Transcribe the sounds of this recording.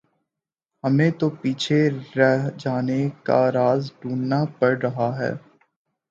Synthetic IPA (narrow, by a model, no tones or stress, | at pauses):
hɐmẽt̪opiːt͡ʃʰeɾd͡ʒaːneka̰ɾaːzɖuːnːapɐɽɾɐɦaɦɛ̰ː